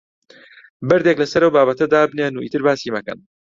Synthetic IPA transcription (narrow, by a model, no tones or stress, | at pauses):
bɐɾd̪eklɐsɐɾɐwbaːbɐt̪ʰɐd̪aːbnenuḭːt̪ɨɾbaːsimɐkɐ̰n